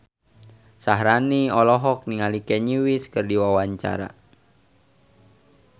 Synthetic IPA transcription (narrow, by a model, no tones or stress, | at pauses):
saɦɾaniɔlɔɦɔk̚niŋalikɛɲiwiskərdiwawaɲt͡ʃa̰ɾa̰